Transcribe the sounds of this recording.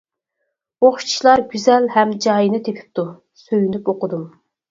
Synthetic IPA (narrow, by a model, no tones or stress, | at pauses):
oχʃt͡ʃʰilˠɑɾɡʲyzɛlhɛmd͡ʒɑːjinɨt̪ʰepʲʰi̥p̚t̪ʰu | søjynypoqʊd̪um